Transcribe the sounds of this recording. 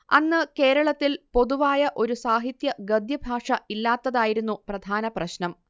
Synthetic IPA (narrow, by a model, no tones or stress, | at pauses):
ɐ̰nːɨke̞ːɾɐɭɐt̪ːilpo̞ðuʋaːjɐʔo̞ɾusaːɦit̪jɐɡɐd̪jɐbʱaːʂɐilːaːt̪ːɐðaːjiɾunːuprɐd̪ʱaːnɐprɐɕnɐm